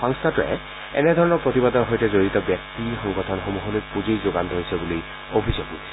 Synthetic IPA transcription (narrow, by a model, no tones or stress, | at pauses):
ɔŋstʰatʊɛ̰ | ɛ̰nɛdʱɔɹɔnɔɹpɹot̪ibadɔɹɦojtɛzoɹitɔbjɛk̚tixɔŋɡɔtʰɔnxomuɦolojpuzejzoɡantɦojsɛbuloj | obʱizoɡḭ